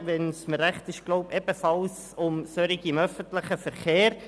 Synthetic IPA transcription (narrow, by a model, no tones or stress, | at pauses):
ʋɛnsməɾæχt̪ɪʃɡ̥loʊpɛbəfɑls | ʊmsøɾɪɡɪmœfəntləχəfəɾχeːɾ